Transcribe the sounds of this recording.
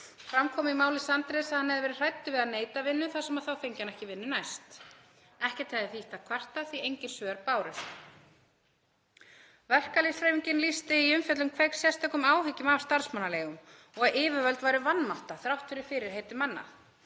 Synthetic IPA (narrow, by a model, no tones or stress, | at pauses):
fɾamkʰɔːmɪimaːwlɪsant̪ɾɛsaðhanhɛðvɛːɾɪr̥ajt̪ːʏvɪðaðneːjt̪avɪnːʏθasɛmaðθawfejɲcanɛhcɪvɪnːʏnajst̪ | ɛhcɛt̪hɛðɪθiht̪akʰvar̥t̪aθiejɲcɪnsvœːɾpaːwɾʏθ | vɛr̥kalisɾeːviɲcɪnlist̪ɪiʏmfɛt̪lʏmkʰveːjksjɛst̪œkʏmaːwhɪcɪmavst̪aɾ̥smanːalɛːɣʏm | ɔɣaðɪːvʏvœlt̪vaːjɾʏvanmaht̪aθɾawht̪ʰʏɾɪfɪːɾɪɾ̥heːjt̪ʏmanːa̰